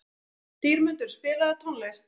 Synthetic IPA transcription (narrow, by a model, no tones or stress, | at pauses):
t̪iːɾmʏnt̪ʏɾ̥spɪːlaðɪt̪ʰɔwnles